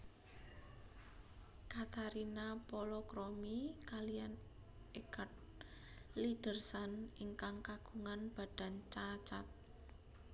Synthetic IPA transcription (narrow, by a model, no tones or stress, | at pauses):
kat̪aɾinapɔlɔkɾomikalijan | ekat̪̚ | lid̥ə̤rsaniŋkaŋkaɡ̥uŋanb̥a̤d̥a̤nt͡ʃat͡ʃat̪̚